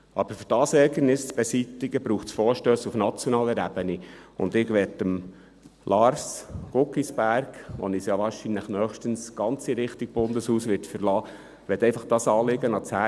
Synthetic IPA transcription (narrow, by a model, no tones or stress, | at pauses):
ʔɑb̥əɾfyɾd̥ɑːsɛɡənɪst͡sb̥ɛsitːɪɡəbɾuːχtsfoːɾʃtøːsufnɑt͡sjɔnɑːləɾæbəniʊ̰nd̪ɪɡʋɛtəm | lʔɑːɾsɡ̥ʊkːisb̥æɾɡʋɔ̰nɪsjɑʋɑːɾʃinləχnœːχʃtənsɡ̥ɑnt͡siɾɪχtiɡ̚b̥ʊndəshuːsʋɪtfəɾlɑː | ʋɛt̪ːɛɪfɑχd̥ɑːsɑːlɪɡənɑt͡shæ